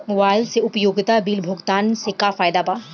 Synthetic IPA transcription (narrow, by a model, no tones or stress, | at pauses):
ʋaːlseʊpjoːɡɪt̪abiːlbʱʊɡt̪aːnsekafaːjd̪apa